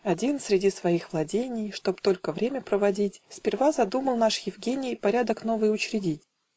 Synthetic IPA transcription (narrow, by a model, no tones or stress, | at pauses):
ɐdʲinsʲɾʲɪdʲisvɐixvlˠɐdʲenʲɪjʂt̪o̞pt̪o̞lʲkəvɾʲemʲəpɾəvɐdʲitʲsʲpʲɪrvazɐd̪uməlˠnaʂjɪvɡʲenʲɪjpɐɾʲad̪əkno̞vɨjʊt͡ɕɾʲɪdʲitʲ